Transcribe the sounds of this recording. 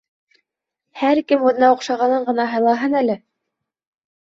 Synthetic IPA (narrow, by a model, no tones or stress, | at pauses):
hæɾkɘmwŭðnɑuqʃɑʁɑnɤɴɢɤ̆nɑɦɤ̆lˠɑɦɤnælɘ